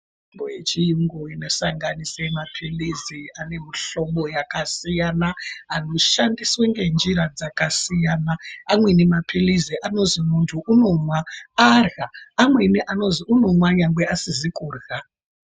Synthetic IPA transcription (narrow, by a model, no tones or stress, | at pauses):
mbojet͡ʃijiŋɡoinosaŋɡanisemapʰiliziane̞miɬo̞ɓojakasijanaano̞ʃandisweŋɡe̞nd͡ʒiɾad͡zakasijanaːmwe̞nemapʰiliziʔano̞zimuntʰuʔuno̞mwaarɣaːmwe̞niʔano̞ziuno̞mwaɲaŋɡweasizikuːrɣa